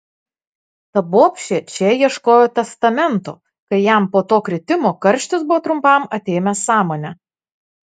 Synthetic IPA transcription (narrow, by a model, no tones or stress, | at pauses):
t̪ɐboːpʲʃʲɛt͡ʃʲɛjiɛʃkoːjoːt̪ʲɛst̪ɐmʲɛnt̪o̰ː | kɐɪjæˑmpoːt̪oːkɾʲɪt̪ʲɪmoːkɐɾʲʃʲt̪ʲɪsbʊʋoːt̪ɾʊmpɐˑmɐt̪ʲeːmʲɛsɑːmoːnʲɛ